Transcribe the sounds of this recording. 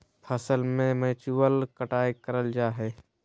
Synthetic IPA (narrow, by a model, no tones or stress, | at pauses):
pʰəsəlmẽmeːt͡ʃuwəlkəʈaːekəɾəld͡ʒaːɦɛː